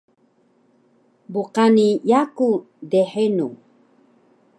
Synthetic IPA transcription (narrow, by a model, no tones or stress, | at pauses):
buqanijaku | deħenu